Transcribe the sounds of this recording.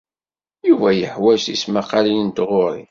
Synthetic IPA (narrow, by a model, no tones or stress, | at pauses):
juvæjəħwæʃismaqɑlilint̪ʁʊɾḭ